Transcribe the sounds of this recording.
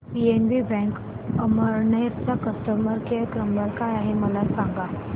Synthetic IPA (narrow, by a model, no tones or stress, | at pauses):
pienʋibɛ̃ŋk | əməɾnəjətt͡sakəst̪əməɾkekɾəməɾkajaɦeməlasãŋɡa